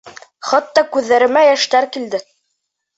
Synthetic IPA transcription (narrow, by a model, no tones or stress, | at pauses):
χɑt̪ːɑkʉðːæɾɘ̆mæjæʃt̪æɾkild̪ɘ